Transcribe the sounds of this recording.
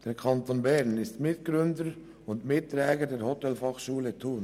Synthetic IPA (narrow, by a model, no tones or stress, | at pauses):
d̥eːɾkʰɑntonbɛɾnɪstmɪtɡ̥ɾʏndəɾ | ʊndmɪtːɾɛːɡədɛːɾhotɛlfɑχʃuːlətʰuːn